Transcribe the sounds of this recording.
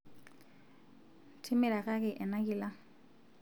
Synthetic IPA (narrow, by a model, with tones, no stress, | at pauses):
tʰi˦mɪ˨ɺa˨ka˦k̬ɛ˨ʔɛ˨na˦k̬i˨la˦